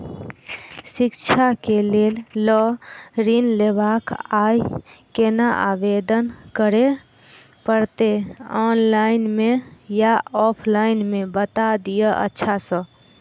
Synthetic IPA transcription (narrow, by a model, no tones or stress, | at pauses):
sikt͡ʃʰakelellɔɾinlebakajkenaʔa̰bed̪ənkəɾe | pəɾt̪eɔnlaɪnmejaɔpʰlainmebət̪ad̪ijəʔə̰tːʃʰasə̃